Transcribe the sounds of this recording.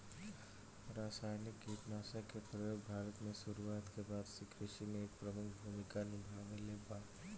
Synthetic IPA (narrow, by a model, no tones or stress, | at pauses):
ɾaːsaːjnɪkɡiːt̪naːsakepɾəjoːɡ̚bʱaːɾət̪mẽsuɾuaːt̪kebaːd̪sekʰɾɪʃimẽeːk̚pɾəmʊkʰbʱuːmɪkanɪbʱaːʋeleba